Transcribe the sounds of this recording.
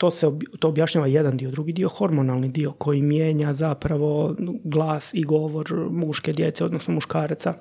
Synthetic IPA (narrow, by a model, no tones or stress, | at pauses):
t̪o̞ːseobt̪oːbjaʃɲaːʋajed̪and̪iod̪ɾuɡid̪io̞xo̞ɾmonalˠnid̪io̞ko̞jimjeːɲazapɾaʋo̞ɡlˠaːsiɡo̞ʋo̞ɾmuʃke̞d̪je̞t̪seod̪nosnomuʃkaːɾt̪sa